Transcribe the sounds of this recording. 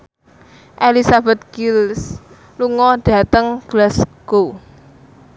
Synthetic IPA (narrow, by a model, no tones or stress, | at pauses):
ʔelisabɛt̪̚kils | luŋɔd̥ä̤t̪əŋɡ̥lasɡ̥o